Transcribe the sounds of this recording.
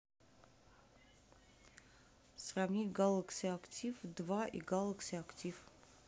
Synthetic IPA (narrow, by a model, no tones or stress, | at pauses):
sravnʲitʲɡalˠəksʲiaktʲifd̪vaʔḭɡalˠəksʲɪaktʲif